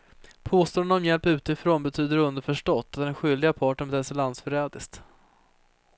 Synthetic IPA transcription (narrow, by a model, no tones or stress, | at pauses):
pʰoːst̪oːnənɔmjɛlpʉ̟ːt̪ɪfɾoːnbɛt̪ʰyːd̪əɾɵnd̪əɾfœʂʈɔt̪ːat̪̚d̪ɛnɧʏld̪ɪɡapʰɑːʈəɳ̩ɛd̪ʰɛsɛlansfœɾɛːd̪ɪst̪